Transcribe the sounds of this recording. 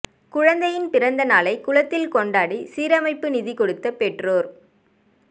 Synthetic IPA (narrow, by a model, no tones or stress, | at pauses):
kʊɻɐnd̪ɐjɪnpɪɾɐnd̪ɐnaːlɐɪkʊɭɐt̪ːɪlkɔɳɖaːɽisiːɾɐmɐɪpːɯnɪðɪkɔɽɯt̪ːɐpːɛʈroːɾ